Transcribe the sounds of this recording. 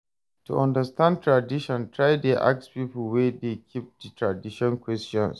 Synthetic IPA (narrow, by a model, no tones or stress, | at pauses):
tṵʔɐ̃ndɐstan̚tɹadɪʃɔ̃ntɹajdeʔa̰k̚spiːpʊlwɛdekʲʰip̚ditɹadɪʃɔ̃nkʷwɛstɔ̰̃ns